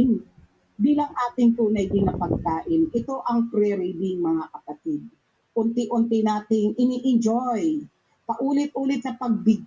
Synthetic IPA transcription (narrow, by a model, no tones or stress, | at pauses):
biːlɐŋʔaːt̪ɪŋt̪uːnɐjd̪ɪnɐpɐɡ̚kaːʔɪnʔɪt̪o̞ʔɐŋpɾɛɾɪb̪ɪŋmɐŋakɐpɐt̪ɪd̪̚ | ʔʊnt̪ɪʔʊnt̪ɪnaːt̪ɪŋʔɪniːʔɪnd͡ʒoj | pɐʔuːlɪt̪̚ʔuːlɪt̪̚sɐpɐɡ̚bɪɡ̚